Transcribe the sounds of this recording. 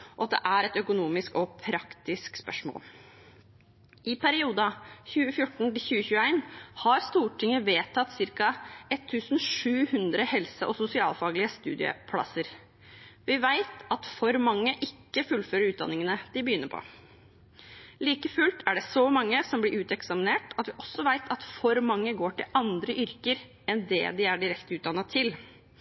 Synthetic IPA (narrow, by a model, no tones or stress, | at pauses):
ɔɑt̪̚d̪ɛ̰ʔæɾɛt̪œkʊnuːmɪskɔpʰɾɑkt̪ɪskspœʂmo̰ːl | ʔɪpæɾɪuːd̪ɑçʉːəfjʊʈːɳ̩t̪ɪçʉːəçʉːæɪnhɑɾst̪uːʈʰɪŋəʋeːt̪ʰːɑt̪ːsɪɾkɑɛt̪ʰːʉːsn̩ʂʉːhʉnd̪ɾəhɛlsəʔɔsʊsɪɑːlfɑːɡlɪəst̪ʉ̰ːd̪ɪə̰pʰlɑ̰səɾ | ʋɪʋæɪt̪ɑt̪fɔɾmɑŋːəʔɪkːəfʉlføːɾəɾʉːt̪̚d̪ɑ̰nːɪŋənəd̪̥ɪbəjʏnːəpʰɔ̰ | liːkəfʉlt̪ʰæɖɛsɔmɑŋːəsɔmblɪɾʉːt̪ɛksɑmɪneːʈɑt̪ʋɪʔɔsːɔʋæɪt̪ʰɑt̪fɔɾmɑŋːəɡoːʈɪlɑnd̪ɾəʔʏɾkəɾ | ɛnd̪ɛ̰d̪ɪæɖɪɾɛkt̪əʉːt̪̚d̪ɑnːɑt̪ʰɪl